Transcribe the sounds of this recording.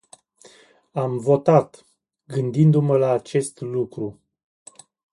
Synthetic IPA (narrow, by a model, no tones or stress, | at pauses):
amvo̞t̪at̪ | ɡɨnd̪ind̪uməlaːt͡ʃe̞st̪lukɾu